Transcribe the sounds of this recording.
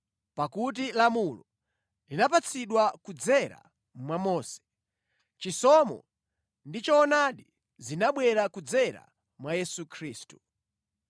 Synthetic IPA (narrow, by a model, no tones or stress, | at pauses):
pakut̬ilamulɔ | linapat͡sʰiɗwakud͡zɛɾa̰ | mwamɔːsɛ̥ | t͡ʃisɔmɔ̰ | ndit͡ʃɔːnaɗi | zinaɓwɛɾakud͡zɛɾa̰ | mwajɛsukʰɾiːstu̥